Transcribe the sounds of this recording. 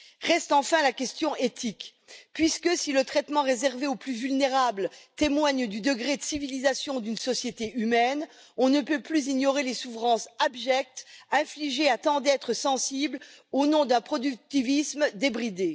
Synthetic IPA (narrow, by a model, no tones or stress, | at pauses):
ʁɛst̪ɑ̃fɛ̃lakʲɛst̪jɔ̃ʔet̪ʰik | pɥiskəsilət̪χɛt̪mɑ̃ʁezɛʁveoplyvylneʁablt̪emwaɲd̪yd̪əɡʁed̪əsivilizasjɔ̃d̪ynsɔsjet̪eʔymɛn | ɔ̃nəpøplyziɲɔʁelesufχɑ̃sabʒɛk̚t̪ɛ̃fliʒeat̪ɑ̃d̪ɛt̪χəsɑ̃siblonɔ̃d̪ɛ̃pχɔd̪yk̚t̪ivismd̪ebʁid̪e